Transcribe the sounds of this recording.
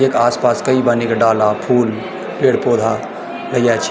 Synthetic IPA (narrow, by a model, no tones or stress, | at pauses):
eːkaːspaːskɐibaːnikaɖaːlapʰuːl | pleːɽpoːd̪ʱa | lɐjat͡ʃʰ